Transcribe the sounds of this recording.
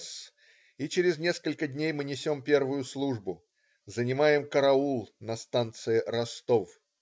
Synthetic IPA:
s | it͡ɕɪɾʲɪznʲe̞skəlʲkədʲnʲejmɨnʲɪsʲo̞mpʲe̞rvʊjʊslˠuʐbʊ | zənʲɪmajɪmkəɾɐulˠnɐst̪ant̪sɨɪɾɐst̪of

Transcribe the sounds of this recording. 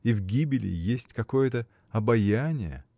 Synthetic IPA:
ivɡʲibʲɪlʲɪ̰jesʲtʲkɐko̞jət̪ə | ɐbɐjanʲɪjə̰

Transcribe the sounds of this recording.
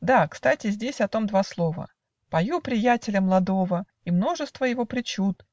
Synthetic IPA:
d̪akst̪atʲɪzʲdʲesʲɐt̪o̞md̪vaslˠo̞və̰ | pɐjupɾʲɪjætʲɪlʲəmlˠɐd̪o̞və | imno̞ʐɨst̪vəjɪvo̞pɾʲɪt͡ɕut̪̚

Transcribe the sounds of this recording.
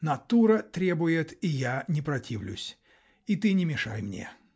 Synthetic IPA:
nɐt̪uɾət̪ɾʲebʊjɪt̪ijanʲɪpɾɐtʲʰivlʲʊ̰sʲ | it̪ɨnʲɪmʲɪʂa̰jmnʲḛ

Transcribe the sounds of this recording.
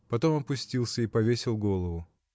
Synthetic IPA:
pɐt̪o̞mɐpʊsʲtʲilˠsʲəipɐvʲesʲɪlˠɡo̞lˠəvʊ

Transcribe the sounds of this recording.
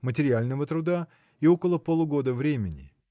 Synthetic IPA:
mətʲɪɾʲɪalʲnəvət̪ɾʊd̪a | io̞kəlˠəpolˠʊɡo̞d̪əvɾʲemʲɪnʲɪ

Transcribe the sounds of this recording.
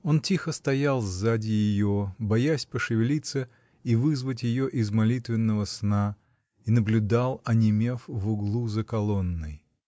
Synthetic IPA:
o̞ntʲixəst̪ɐjalˠzʲzadʲɪjɪjobɐjasʲpəʂɨvʲɪlʲit̪sːə | ivɨzvət̬ʲjɪjoʔɪzmɐlʲit̪vʲɪnːəvəsna | inəblʲʉd̪alˠɐnʲɪmʲe̞fvʊɡlˠuzəkɐlˠo̞nːɨj

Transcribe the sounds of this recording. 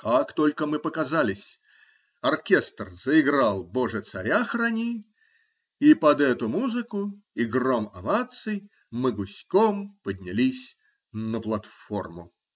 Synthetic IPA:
kakt̪olʲkəmɨpəkɐzalʲɪsʲ | ɐrkʲest̪rzəɪɡɾalˠboʐɨt̪sɐɾʲaxranʲi | ipɐd̪ɛt̪ʊmuzɨkʊɪɡromɐvat̪sɨj | mɨɡʊsʲkompədʲnʲɪlʲisʲ | nəplˠɐt̪formʊ

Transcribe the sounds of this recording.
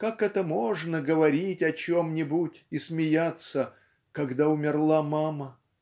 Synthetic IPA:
kakɛt̪əmo̞ʐnəɡəvɐɾʲitʲɐt͡ɕomnʲɪbutʲɪsmʲɪjat̪sə | kɐɡd̪aʊmʲɪrlˠamamə

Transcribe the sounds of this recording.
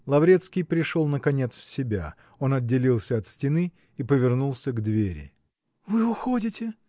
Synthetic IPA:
lˠɐvɾʲe̞t̪skʲɪjpɾʲɪʂolˠnəkɐnʲet̪sfsʲɪbʲa̰ | o̞nɐd̚dʲːɪlʲilˠsʲəɐt̪sʲtʲɪnɨ | ipəvʲɪrnulˠsʲəɡd̪vʲeɾʲɪ̰ | vɨʊxodʲɪtʲɪ

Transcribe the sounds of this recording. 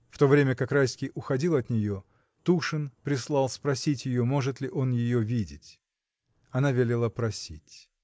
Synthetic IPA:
ft̪o̞vɾʲemʲəkakrajsʲkʲɪjʔʊxɐdʲilˠɐt̪nʲɪjo | t̪uʂɨnpɾʲɪslˠɑlˠspɾɐsʲitʲjɪjo̞mo̞ʐɨt̪lʲɪʔo̞njɪjovʲidʲɪtʲ | ɐnavʲelʲɪlˠəpɾɐsʲitʲ

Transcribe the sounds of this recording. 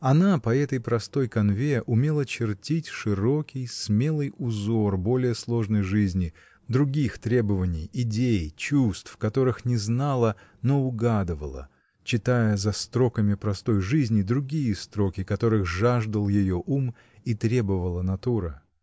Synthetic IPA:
ɐnapɐɛt̪əjpɾɐst̪o̞jkɐnvʲe̞ʔʊmʲe̞lˠət͡ɕɪrtʲitʲʂɨɾo̞kʲɪjsmʲe̞lˠɨjʊzo̞rbo̞lʲɪjəslˠo̞ʐnəjʐɨzʲnʲɪ | d̪ɾʊɡʲixt̪ɾʲe̞bəvənʲɪjɪdʲejt͡ɕust̪fkɐt̪o̞ɾɨxnʲɪznalˠənoʊɡad̪ɨvə̰lˠə̰ | t͡ɕɪt̪ajəzɐst̪ɾo̞kəmʲɪpɾɐst̪o̞jʐɨzʲnʲɪd̪ɾʊɡʲijəst̪ɾo̞kʲɪkɐt̪o̞ɾɨxʐaʐd̪əlˠjɪjoʔum | it̪ɾʲe̞bəvəlˠənɐt̪uɾɨ

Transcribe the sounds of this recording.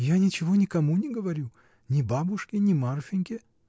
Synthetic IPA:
janʲɪt͡ɕɪvo̞nʲɪkɐmunʲɪɡəvɐɾʲu | nʲɪbabʊʂkʲɪnʲɪmarfʲɪnʲkʲɪ

